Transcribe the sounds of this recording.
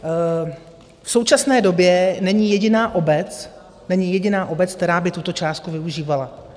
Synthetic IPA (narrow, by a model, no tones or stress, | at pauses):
fso̞wt͡ʃasnɛːdo̞bjɛnɛɲɪjɛɟɪnaːʔo̞bɛt͡s | nɛɲɪjɛɟɪnaːʔo̞bɛt͡sk̚t̪ɛɾaːbɪt̪ut̪o̞t͡ʃaːst̪kuvɪuʒiːvala